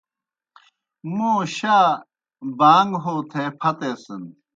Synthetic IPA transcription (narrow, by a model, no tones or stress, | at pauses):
muːɕaː | baːŋɡɦoːt̪ʰeːpʰɐt̪eːsɨn